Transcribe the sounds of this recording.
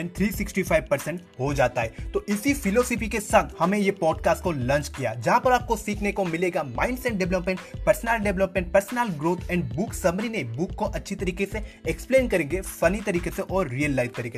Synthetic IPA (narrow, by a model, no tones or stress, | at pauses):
ɛ̃ɳɖt̪ʰɾiːsɪksʈifʰaːɪʋpɐɾsɛ̃ɳʈɦod͡ʒaːt̪aɦɛːt̪oʔɪsifɪlɔːsɪfikesɐ̃ɡhɐmẽjepɔːɖkaːsʈ̚kolɔ̃ːnt͡ʃkija̰ːd͡ʒɐɦãpɐɾaːp̚kosiːkʰnekomɪleːɡamãːɪ̃ɳɖsɛʈ̚ɖɛʋləpmɛ̃ɳʈpɐɾsnaːlɖɛʋləpmɛ̃ɳʈ̚pɐɾsnəːlɡɾoːt̪ʰɛ̃ːɳɖbʊksɐmɾinebʊkːoʔɐtːʃʰit̪ɐɾiːkeseekspleːnkɐɾẽːŋɡefɐnit̪ɐɾiːkeseʔɔːɾːijəlːaːɪzt̪ɐɾiːke